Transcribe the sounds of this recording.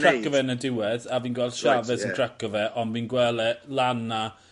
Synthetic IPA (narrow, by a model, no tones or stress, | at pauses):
tʰakɔvɛnədɪwɛðaviːnɡwɛlˠd̥ʃavɛsəntʰr̥akɔvɛʔɔnviːnɡwɛlˠɛlˠanːa